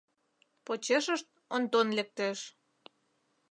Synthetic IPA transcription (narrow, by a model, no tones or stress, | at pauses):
pot͡ɕeʃəʃt̪̚ont̪onlek̚t̪eʃ